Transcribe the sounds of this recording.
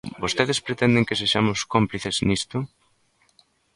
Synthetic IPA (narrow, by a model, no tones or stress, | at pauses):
bost̪eðespɾet̪ɛnd̪eŋkeseʃamʊskompliθeznist̪ʊ